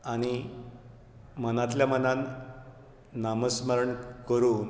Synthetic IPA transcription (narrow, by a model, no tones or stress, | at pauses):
aɽ̃i | mənat̪̬ljamənan | aməsməɾəɳkəɾuːn